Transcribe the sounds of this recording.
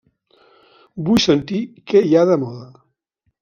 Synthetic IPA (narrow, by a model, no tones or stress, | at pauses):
bujsənt̪ikejaðəmɔðə